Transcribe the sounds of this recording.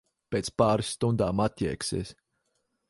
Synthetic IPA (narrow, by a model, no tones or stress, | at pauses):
peːt̪spaːɾɨsːt̪und̪aːmat̪ʲjɛ̰ɛksḭːs